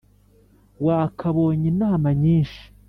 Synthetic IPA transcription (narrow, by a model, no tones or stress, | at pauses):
waːkʰaβoːɲinaːmaɲiːnʃi̥